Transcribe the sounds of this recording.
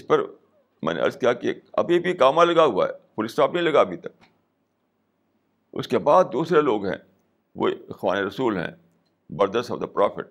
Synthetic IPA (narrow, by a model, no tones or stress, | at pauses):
ɪspɐɾ | mɛ̰̃ːnḛʔɐ̰ɾzkijakiɐ̰bʱibʱikaːmalɐɡaɦʊa̰ɛpʊlɪsʈaːpnɐĩlɐɡaɐbʱit̪ɐk̚ | ʊ̰skebaːd̪̚ːuːsɾeloːɡɦɛ̰̃ː | ʋo̰ːxʋa̰ːneɾɐsuːlɦɛ̰̃ | bɐɾd̪əsɔ̰ːʋd̪əpɾɔːfɪ̰ʈ̚